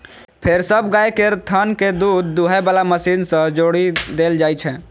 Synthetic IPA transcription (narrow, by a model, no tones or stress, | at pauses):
pʰeɾsəbɡaekeɾt̪ʰənked̪ud̪ːuɦɛbalaməsinsə̃d͡ʒoɽid̪eld͡ʒajt͡ʃʰɛ